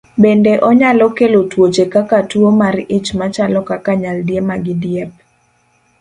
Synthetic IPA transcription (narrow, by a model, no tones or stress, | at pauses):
bendeʔɔɲalɔkelotwot͡ʃekakatwomarɪt͡ʃmat͡ʃalɔkakaɲaldjemaɡɪdjɛp̚